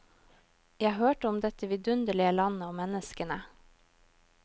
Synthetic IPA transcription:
jæhøːʈəʊmd̪ɛt̪əʋɪd̪ʉnd̪əɭɪəlɑnəoːmɛnəskənə

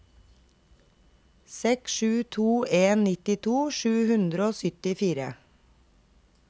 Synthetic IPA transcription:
sɛksʃʉːt̪ʰuːeːnnɪt̪ɪt̪ʰuːʃʉːhʉnd̪ɾəoːsʏt̪ɪfiːɾə̰

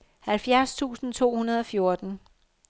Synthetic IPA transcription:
hælfjæɐ̰st͡sʰṵːsn̩t͡sʰo̝̰ːhunɐð̞ˠɒ̽fjo̝ɐd̥n̩

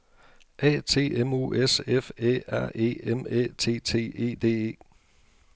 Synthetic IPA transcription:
ʔɛ̰ːt͡sʰe̝̰ːemṵʔesefḛːæɐ̰e̝̰ːemḛːt͡sʰe̝̰ːt͡sʰe̝̰ːe̝̰ːd̥e̝̰ːe̝̰ː

